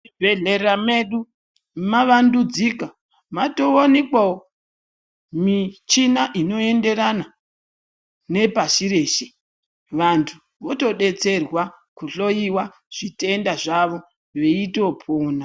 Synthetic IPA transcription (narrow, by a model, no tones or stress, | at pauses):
ibʱeɮe̞rame̞ɗu | maʋandud͡zika | mato̞onekwao | mit͡ʃinaʔino̞e̞nde̞ɾana | ne̞paʃiɾe̞ːʃe | ʋantʰu | ʋo̞to̞ɗe̞t͡se̞rwa | kuɬo̞jiwa | ʐ̥ite̞ndaʐaʋo̞ | ʋeitopʰoːna